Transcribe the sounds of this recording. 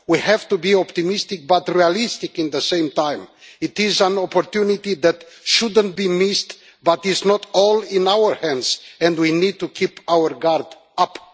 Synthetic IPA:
wihɛv̥t̪ubiɔpt̪imist̪ɪk̚bat̪ɹialist̪ɪkɪ̃nðəsẽɪ̃mt̪ãj̃mit̪izæ̃nɔpɔɾt̪junit̪iðɛt̪ | ʃud̪ə̃nt̪̚bimist | bat̪iznɔtɔlĩnawəɹhɛ̃ndz̥ɛ̃ndwinid̪̚t̪ukʰipawəɹɡaɾd̪ | ap

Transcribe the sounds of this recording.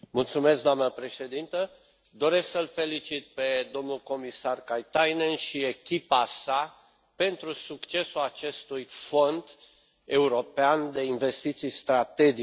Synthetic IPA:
mult̪sume̞sk̚d̪oamnəpɾe̞ʃe̞d̪int̪ə | d̪o̞ɾe̞sksəlfe̞lit͡ʃit̪̚pe̞d̪o̞mnulko̞misarkajt̪ajnenʃie̞kʲipasa | pe̞nt̪ɾusukt͡ʃe̞suat͡ʃe̞st̪ujfo̞nd̪ | e̞uɾo̞peand̪e̞inve̞st̪it̪sijst̪ɾat̪e̞d͡ʒi

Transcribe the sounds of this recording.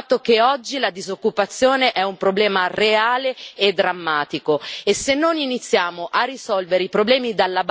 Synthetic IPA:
t̪ːokeɔd͡ʒːilad̪izokːupat̪sːjoːneʔɛumpɾoblɛːmareaːleed̪ːɾamːaːt̪ikoesːenːoninit̪sːjaːmoʔarːisɔlveɾeipɾoblɛːmid̪alːab

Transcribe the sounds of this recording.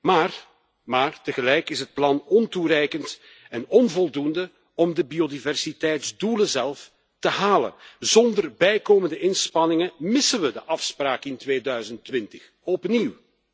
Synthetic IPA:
maːr | maːrtəɣəlɛjkɪsɦət̚plɑnɔnturɛjkənt | ɛnɔnvɔlˠdundə | ɔmdəbiodivɛrsitɛjtzduləzɛlˠf | təɦaːlə̰nzɔndərbɛjkoːməndəʔɪnspɑnɪŋəmɪsənʋədəʔɑfspraːkɪntʋeːdœɥzəntʋɪntəx | ɔpniw

